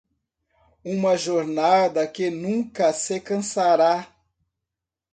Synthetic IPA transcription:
ũmɐʒoɾnad̪ɐkɪnũkɐsekɐ̃saɾa

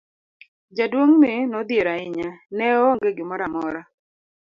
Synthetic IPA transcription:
d͡ʒadwoŋmɪnɔd̪jeɾaɪɲanɛoŋɡeɡɪmɔɾamɔɾa

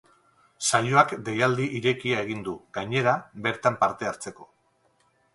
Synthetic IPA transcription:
sajo̞akd̪e̞jald̪iʔiɾe̞kiaeɣ̞ind̪uɡaɲe̞ɾabe̞ɾt̪ampaɾt̪e̞aɾt͡se̞ko̞

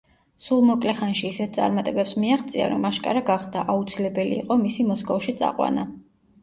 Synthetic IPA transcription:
sulˠmɔkʼlɛχanʃiːsɛt̪̚ʰsʼa̰ɾmat̪ʼɛbɛpsmiaχt̪sʼia̰ɾɔmaʃkʼa̰ɾaɡaχd̪aʔaut̪sʰilɛbɛlḭːqʼɔmisimɔskʼɔfʃit̪sʼa̰qʼwa̰na

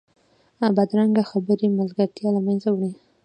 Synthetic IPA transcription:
abad̪ɾaŋɡaxabəɾimalɡaɾt̪jɑlamanzawɽi

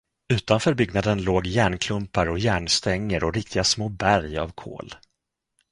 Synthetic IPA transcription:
ʉ̟ːt̪anfœːɾbʏɡnad̪ənloːɡjæːɳkʰlɵmpaɾɔjæːɳst̪ɛŋːəɾʔɔɾɪk̚t̪ʰɪɡasmoːbæɾja̰vkʰo̰ːl

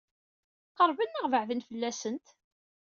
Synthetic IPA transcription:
qəɾˤvənːəʁvəʕvənfəlːæsənt̪

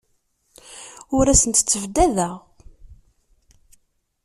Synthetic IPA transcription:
ʊɾæsənt̪t͡sːəvd̪æðæ

